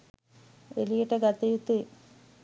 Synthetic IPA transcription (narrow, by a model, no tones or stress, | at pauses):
ʋḛlijiʈːɐɡɐt̪ːɐjut̪ːɨ